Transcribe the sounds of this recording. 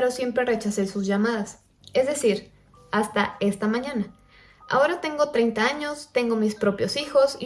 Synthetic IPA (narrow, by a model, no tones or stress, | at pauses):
ɾosje̞mpɾe̞re̞t͡ʃasesuzʝamað̞as | e̞zðe̞siɾ | ast̪ae̞st̪amãɲãna | a̰o̞ɾat̪e̞ŋɡo̞t̪ɾe̞jnt̪aaɲo̞st̪e̞ŋɡo̞mispɾo̞pjo̞sixo̞si